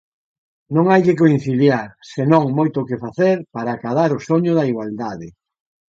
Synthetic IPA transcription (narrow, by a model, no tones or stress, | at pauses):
nõŋajkɪk̬oin̟θiljaɾsenõŋmojt̪ʊkɪfaθeɾpaɾaːkaðaɾʊsoɲʊðaiɣwald̪aðɪ